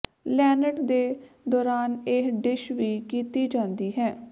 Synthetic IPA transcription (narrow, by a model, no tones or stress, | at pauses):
lɛːnəʈd̪eː | d̪ɔːɾaːnɪɦɖɪʃʋiːkiːt̪iːd͡ʒãːnd̪iːɦɛː